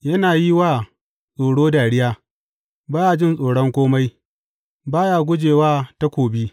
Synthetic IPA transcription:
jɐ˦naː˨ji˦waː˦˨ | sʼoː˨ɽoː˦daː˨ɽɪ˦jaː˦ | baː˦jaː˨d͡ʒɪ˦˨nsʼoː˨ɽɔ˦ŋkʷoː˦ma˦j | baː˦jaː˨ɡʷʊ˦d͡ʒeː˨waː˦ta˦kʷoː˨bi˦

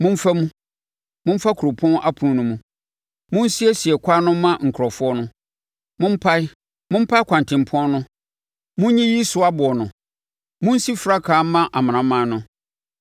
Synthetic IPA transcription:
mʊ̃˦ɱ̩˦fa˦mũ˦ | mʊ̃˦m̩˦fa˦kʰu˨ɾʊ˨pʰɔ̃˦nʔa˦pʰu˨ũ˦nũ˦mũ˨ | mʊ̃˦n̩˦si˦ɛ˦si˨ɛ˨kʰʷa˦nʊ̃˦mã˦ŋ̩˨kʰʊ˨ɾɔ˨fʊ˦ɔ˦nʊ̃˦ | mʊ̃˦m̩˦pʰa˦ɪ˦ | mʊ̃˦m̩˦pʰa˦ɪ˦kʷʰã˨ntʰɪ̃˨m̩˨pʰʊ˦ɔ̃˦nʊ̃˦ | mũ˦ɲĩ˦ji˦sʊ˦a˦bʊ˨ɔ˨nʊ̃˨ | mũ˦n̩˦si˦fɾa˦kʰaː˨˦mã˦ʔa˨mã˨nã˨˦mãː˨˦nʊ̃˦

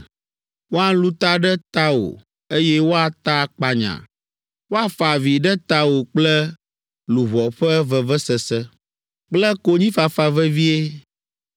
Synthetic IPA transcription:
wo˦a˦lu˦t̪a˦ɖɛ˦t̪a˦wo̰˨ | e˦jɛ˦wo˦a˨t̪a˦k͡pa˨ɲã̰˨ | wo˦a˨fa˨vi˨ɖɛ˦t̪a˦wo˨k͡plɛ˦ | lu˨βɔ˨ɸɛ˦vɛ˨vɛ˦sɛ˨sɛ˦ | k͡plɛ˦ko˦ɲĩ˦fa˨fa˨vɛ˦vi˦e˦

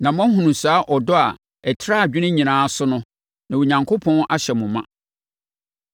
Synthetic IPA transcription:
nã˨m˦ɔ̃˦ɦũ˨nũ˨saː˨˦ʔɔ˨dɔ˦a˨ | ɛ˨tʰɪ˦ɾa˦˨d͡ʑᶣɪ˦nɪ̃˦ɲĩ˨nãː˨˦a˦sʊ˦nʊ̃˦ | nã˨wo˨ɲã˨ŋkʰo˦pʰɔ̃˦nʔa˦ɕɛ˨mũ˨mã˦˨

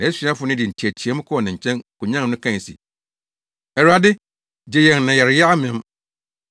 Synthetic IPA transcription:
nã˨˦si˨˦a˦fʊ˨nɪ̃˦dɪ˨tʰi˨æ˨tʰi˨ɛ˦m̃˦kʰɔ˦ɔ˨nã˨ɲ̩˨t͡ɕʰɛ̃˦nkʊ˨ɲã˦˨nʊ̃˦kʰã˦˨sḭ˨ | ɛ˨ɾa˨dɪ˦ | d͡ʑe˨jɛ˨nnã˨jɛ˨ɾɪ˨ja˦a˦mɪ̃˦m

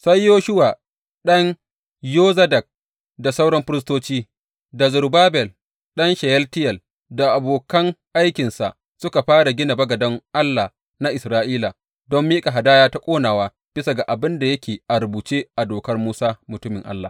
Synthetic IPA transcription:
sa˦jːoː˦ʃʊ˦waː˨ | ɗɐ˦ŋ | joː˦zɐ˦dɐ˨k̚ | da˨sa˦wɽɔ˦mɸɪ˦ɾɪ˦s̬toː˦t͡ʃiː˦ | da˨zʊ˨ɾbaː˦bɛ˨l | ɗɐ˦nʃɛ˨jɛ˦ltɪ˦jɐ˨l | da˨ʔa˨boː˨kɐ˦ŋʔa˦jkʲɪ˨nsa˨ʔ | sʊ˦ka˨ɸaː˦ɽa˨ɡʲɪ˦na˨bɐ˦ɡɐ˨dɐ˦ŋʔa˦lːa˨ | na˦ʔɪ˨sɾaː˦ʔiː˦la˨ | dɔ˦mːiː˦kʼa˨ɦa˨daː˦jaː˦ta˦kʷʼoː˦naː˨waː˦ | b̥ɪ˦sa˨ɡa˨ʔa˨bɪ˦nda˨jɐ˦kʲeː˨ʔa˨ɾʊ˨buː˨t͡ʃeː˦ʔa˨doː˨kɐ˦rmuː˦saː˦mʊ˨tʊ˦mɪ˨ŋʔa̰˦lːaː˨

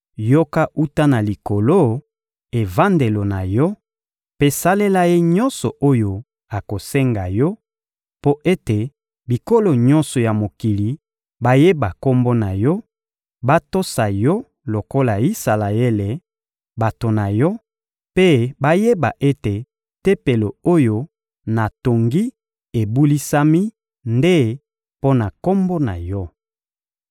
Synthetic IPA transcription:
jo˦ka˦ʔu˦ta˦na˨li˨ko˨lo˦ | e˨va˦nde˨lo˨na˨jɔ˦ | pe˦sa˦le˦la˦je˦ɲɔ˦nsɔ˨ʔo˦jo˨ | a˨ko˨se˦ŋɡa˨jɔ˦ | po˦ʔe˦te˨ | bi˨ko˦lo˨ɲɔ̃˦nsɔ˨ja˨mo˨ki˨li˨ | ba˦je˦ba˨ko˦mbo˦na˨jɔ˦ | ba˦to˦sa˨jɔ˦ | lo˨ko˦la˨i˦sa˨la˨e˦le˨ | ba˨to˨na˨jɔ˦ | pe˦ba˦je˦ba˨ʔe˦te˨ | te˦pe˨lo˨o˦jo˦ | na˨to˨ŋɡi˦ | e˨bu˦li˦sa˦mi˦ | nde˦ | po˦na˨ko˦mbo˦na̰˨jɔ˦

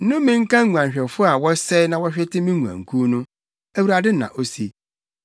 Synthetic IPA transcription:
n̩˦nʊ̃˦mɪ̃˦ŋ̩˦kã˦ŋ˦u˨ã˨ɕᶣɛ˨fʊ˦a˨wɔ˦sɛ˦nã˨wɔ˦ɕᶣɛ˦tʰɪ˦mĩ˦ŋũ˨ã̰˨ŋ̩˨kʰũ˦nʊ̃˦ | æ˦wu˨ɾa˨dɪ˦˨nã̰˨ʔo˦si˦

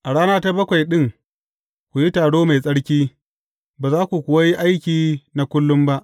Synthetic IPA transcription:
ʔa˨ɽaː˦naː˦ta˦bɐ˦kʷa˨jɗɪ˦ŋ | kʷu˨ji˦taː˨ɽoː˦ma˨jsʼɐ˦ɽkʲiː˦ | baː˨zaː˦kʷu˨kʷʊ˨wa˦ji˦ʔa˦jkʲiː˨na˨kʷʊ˦lːʊ˦mba˦ʔ

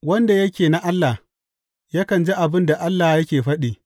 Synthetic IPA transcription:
wɐ˦nda˨jɐ˦kʲeː˨na˦ʔa˦lːa˨ | ja˦kɐ˨nd͡ʒe˦ʔa˨bɪ˦nda˨ʔa˦lːa˨jɐ˦kʲeː˨ɸɐ˦ɗiː˨

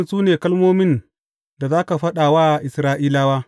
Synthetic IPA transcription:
nsuː˦neː˨kɐ˦lmoː˦mɪ˦n | da˨zaː˦ka˨ɸɐ˦ɗaː˨waː˦˨ʔɪ˨sɾaː˦ʔiː˦laː˦waː˦

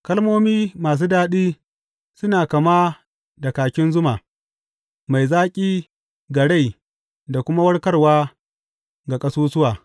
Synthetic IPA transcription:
kɐ˦lmoː˦miː˦maː˨s̬uː˦daː˦ɗiː˦ | sʊ˦naː˨kɐ˨ma˦ | da˨kaː˨kʲɪ˦nzʊ˦ma˨ | ma˨jzaː˦kʲʼiː˦ | ɡɐ˨ɽa˦˨j | da˨kʷʊ˦ma˦wɐ˦ɽkɐ˦rwaː˦ | ɡa˨kʼɐ˦suː˦sʊ˦waː˨

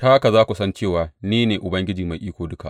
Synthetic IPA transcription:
taː˦ka˨zaː˦kʷu˨sɐ˦nt͡ʃeː˦˨waː˨niː˦neː˨ʔʊ˨bɐ˦ŋɡʲɪ˦d͡ʒiː˨ma˨jʔiː˦kʷoː˨dʊ˦ka̰˨ʔ

